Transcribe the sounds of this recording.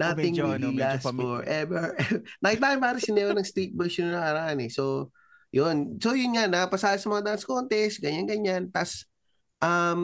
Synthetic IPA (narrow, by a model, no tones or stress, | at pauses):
naːt̪ɪŋwɪllasfɔɹʔɛvɛɹɛnɐɪt̪aːjɪmpaːɾɪsɪnɛɾonɐŋst̪it̪̚bɛɹʃonnɐaɾaʔɐnɛso̞ | jonso̞jʊnŋanapɐsaːjɐsɐmɐŋad̪aanskont̪ɛsɡɐɲanɡɐɲːant̪as | ʔɐm